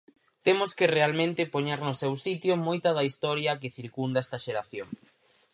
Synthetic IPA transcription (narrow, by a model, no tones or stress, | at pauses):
t̪emʊskɪrealmẽnt̪ɪpoɲeɾnʊsewsit̪jomojt̪ɐðɐist̪ɔɾjɐk̬ɪθiɾkund̪ɐɛst̪ɐʃeɾaθjoŋ